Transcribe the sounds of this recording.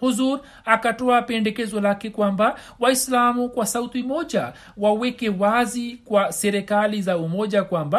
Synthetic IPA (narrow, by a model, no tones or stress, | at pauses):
huzuɾ | akatɔapɛndɛkɛzɔlakɛkwamba | waislamukwasautimɔʄa | wawɛkɛwazikwasɛɾɛkalizaumɔʄakwamba